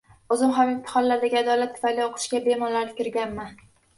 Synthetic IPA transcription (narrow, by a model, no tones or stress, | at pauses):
ɵzɪmɦamɪmt̪ʰɪ̥χɒnlaɾd̪aɡʲɪad̪ɒlat̪ʰːʊ̥fajlioqʰʊ̥ʃɡʲabemɒnlaɾɪpkʲɪɾɡʲanman